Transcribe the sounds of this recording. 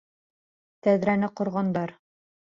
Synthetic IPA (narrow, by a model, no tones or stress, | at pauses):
t̪æðɾænɘqŏɾʁɑnd̪ɑɾ